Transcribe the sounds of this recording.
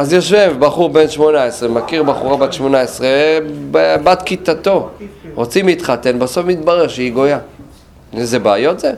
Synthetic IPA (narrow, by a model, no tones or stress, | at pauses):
azjoʃvevbaχuʁbe̞nʃmonaesʁemakiʁbaχuʁabat̪ʃmonaesʁebbat̪kit̪at̪o̞ʁot͡simlit̪χat̪e̞nbaso̞fmit̪̚baʁeʁʃeiɡo̞ja | ezebaːjo̞t̪ze